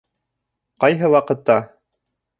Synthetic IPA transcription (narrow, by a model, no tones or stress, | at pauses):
qɑjɦɤwɑqɤ̆t̪ːɑ